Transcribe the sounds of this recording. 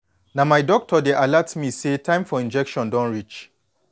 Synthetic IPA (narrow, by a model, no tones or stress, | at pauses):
namaɪdɔk̚tʰɔdeʔalatmisetʰãɪ̃mfɔĩnd͡ʒɛkʃɔ̃ndɔ̃nɹit͡ʃ